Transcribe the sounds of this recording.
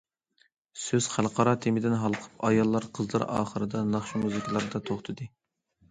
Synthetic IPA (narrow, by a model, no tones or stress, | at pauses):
søz̥χælˠqɑɾɑt̪ʰemɪd̪ɪnɦɑlˠqʰə̥pʰɑjɑlˠːɑɾqʰəzlˠɨ̰ɾɑ̰ːχəɾɨd̪ɑnɑχʃumuzɪkʲʰlˠɑɾɨd̪ɑt̪ʰoχt̪ʰɨd̪ɨ